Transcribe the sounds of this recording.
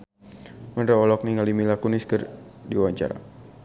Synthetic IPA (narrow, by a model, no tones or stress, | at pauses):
mənɾaɔlɔk̚niŋalimilakuniskɨrdiwaɲt͡ʃa̰ɾa̰